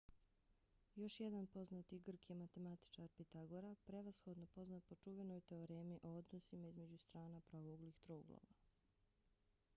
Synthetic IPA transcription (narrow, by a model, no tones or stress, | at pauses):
jo̞ʃjed̪anpo̞znat̪iɡr̩kjemat̪e̞mat̪i̥t͡ʃaɾpit̪aɡoɾapɾeʋasxo̞d̪nopo̞znat̪̚po̞t͡ʃuʋenojt̪e̞oɾeːmiʔood̪nosimaizme̞d͡ʑust̪ɾaːnapɾaʋoɡlixt̪ɾoːɡlˠo̰ʋa̰